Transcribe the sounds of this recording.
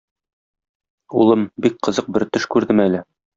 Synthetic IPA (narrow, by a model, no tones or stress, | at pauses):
ulˠɤmbik̚qɤ̆zɤq̚bɘɾt̪ɵʃkʉɾd̪ɘmælɘ